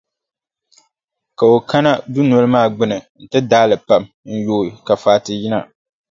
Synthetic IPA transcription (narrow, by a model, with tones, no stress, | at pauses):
ka˨o˨ka˦na˦du˦nɔ˦lɨ˦maː˦˨ɡ͡bɨ˦nɨ˨n̩˨tɨ˦daː˦lɨ˨pa˨m | n̩˦joː˦˨ka˨faː˦tɨ˨ji˦na˨